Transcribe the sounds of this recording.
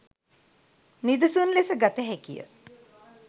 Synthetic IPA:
nid̪əsunlesəɡat̪əɦekijə̰

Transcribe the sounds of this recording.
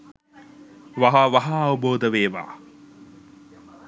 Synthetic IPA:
ʋɐɦaʋɐɦaːʋɐboːd̪əʋeːʋa̰ː

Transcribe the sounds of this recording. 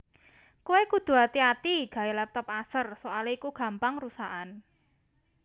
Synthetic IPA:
kuekud̪̥ṳat̪iat̪iɡ̥a̤elɛp̚t̪ɔp̚asərsoaleikuɡ̥a̤mpaŋrusaʔan

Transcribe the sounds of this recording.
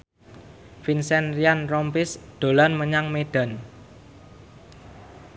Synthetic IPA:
finsɛnrianrɔmpɪsd̪̥o̤lanməɲaŋmeɖ̥a̤n

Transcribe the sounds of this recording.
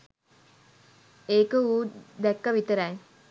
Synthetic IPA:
eːkəuːd̪ɛkːəʋit̪əɾaj

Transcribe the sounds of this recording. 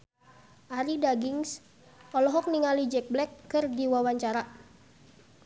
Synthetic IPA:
ʔaɾidaɡiŋs | ʔɔlɔɦɔk̚niŋalid͡ʒɛk̚blɛkːɨrdiwawaɲt͡ʃaɾa

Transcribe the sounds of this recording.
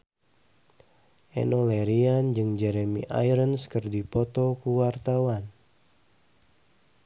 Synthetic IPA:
ʔɛ̰nɔlɛɾiand͡ʒɨŋd͡ʒɛɾemḭʔa̰jɾənskɨrdipɔt̪ɔkuwart̪awan

